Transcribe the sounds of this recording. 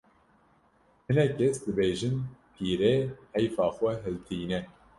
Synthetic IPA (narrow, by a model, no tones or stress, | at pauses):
hɨnɛkʰːɛsd̪ɨbeːʒɨnpʰiːɾeːhɛjfɑːxʷɛɦɛlt̪ʰiːnɛ